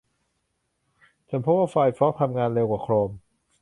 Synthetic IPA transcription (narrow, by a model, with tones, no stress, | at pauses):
t͡ɕʰa˧˥npʰo˦˥p̚waː˥˩fa˧jpʰɾɔː˦˥k̚t̪ʰa˧mŋaː˧nleː˧wkaː˨˩kʰɾoː˧m